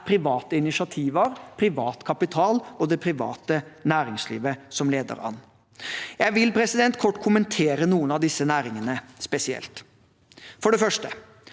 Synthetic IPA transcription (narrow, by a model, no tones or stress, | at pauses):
pʰɾɪʋɑːt̪əɪnɪsɑt̪ʰiːʋəɾpʰɾɪʋɑːt̪kʰɑpɪt̪ʰɑːlɔd̪ɛpʰɾɪʋɑ̰ːt̪ənæːɾɪŋslḭːʋəsɔmleːd̪ə̰ɾɑ̰n | jæɪʋɪlpʰɾɛsɪd̪ɛnt̪̚kʰɔʈːkʰʊmənt̪ʰeːɾənuːənɑʋd̪ɪsːənæːɾɪŋənəspɛsɪɛ̰lt̪ | fɔɖɛfœʂʈə